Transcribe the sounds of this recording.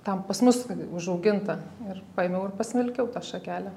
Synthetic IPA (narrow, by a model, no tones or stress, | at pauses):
t̪ɐmpɐsmʊsʊʒɐʊɡʲɪnt̪ɐɪrpɑːemʲɛʊɪrpɐsʲmʲɪlʲkʲɛʊt̪ɑːʃɐkʲæːlʲæ